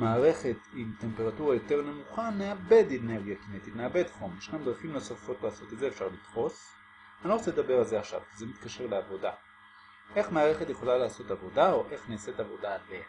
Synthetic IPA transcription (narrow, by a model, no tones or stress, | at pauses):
maːʁe̞χe̞t̪imte̞mpe̞ʁatuʁajo̞te̞ʁne̞muχaneabedene̞ʁɡijakinet̪itneabedχomeʃnamd̪ʁafimno̞safo̞tlaːso̞t̪etzefʃaʁlitfo̞s | aniʁot͡seled̪abe̞ʁalzeaχʃa̰vzemit̪kaʃe̞ʁleavo̞da | e̞χmaːʁe̞χetje̞χo̞lalaːso̞tavo̞dao̞ʔe̞χneːset̪avo̞dale